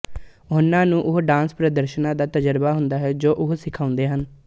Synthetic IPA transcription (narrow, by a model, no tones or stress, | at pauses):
ʊnːãːnũːʔʊɦɖãːnspɾəd̪əɾʃənãːd̪aːt̪əd͡ʒəɾbaːɦʊnd̪aːɦɛːd͡ʒoːʔʊɦsɪkʰaːʊ̃nd̪eːɦən